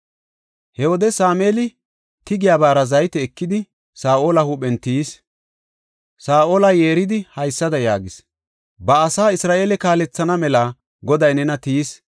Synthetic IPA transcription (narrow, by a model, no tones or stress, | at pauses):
hɛwɔd̪ɛsaːmeːlɪ | t̪ɪɡɪjaːbaːɾɐzɐjt̪ɛːkːɪd̪ɪ | saːʔoːlɐhʊɓɛnt̪is | saːʔoːlɐjeːɾɪd̪ɪhɐjsːɐd̪ɐjaːɡɪs | bɐːsaːɪsɾaːʔe̞ːlɛkaːlɛt͡sːɐnɐmɛla | ɡɔd̪ɐjnɛnɐt̪iːs